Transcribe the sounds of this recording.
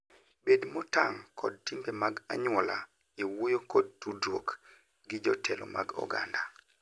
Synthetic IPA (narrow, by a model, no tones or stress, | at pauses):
bedmɔtaŋkʰɔd̚timbemaɡa̰ɲwɔla̰ | ewojokɔd̚tudwok | ɡɪd͡ʒɔtʰɛlo̰mʔa̰ɡɔ̰ɡa̰nda